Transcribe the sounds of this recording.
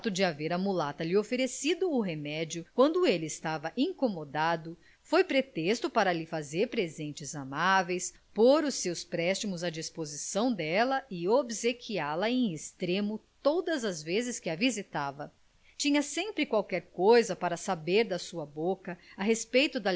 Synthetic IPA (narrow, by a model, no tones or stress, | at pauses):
t̪ʊd͡ʒɪaveɾɐmulat̪ɐlɪofeɾesid̪ʊːɦemɛd͡ʒjʊkwɐ̃nd̪ʊelɪːst̪avɐʔẽŋkomod̪ad̪ʊ | fojpɾet̪est̪ʊpaɾɐlɪfazeɾpɾezẽnt͡ʃɪzamavejs | poɾʊsːewspɾɛst͡ʃimʊzɐd͡ʒispozisɐ̃w̃d̪ɛlɐɪobsekʰialɐẽj̃est̪ɾẽmʊt̪od̪ɐzɐzvezɪskɪɐvizit̪avɐ | t͡ʃĩɲɐsẽmpɾɪkwawkɛɾkojzɐpaɾɐsabeɾd̪ɐsuɐbokɐaɦespejt̪ʊd̪ɐ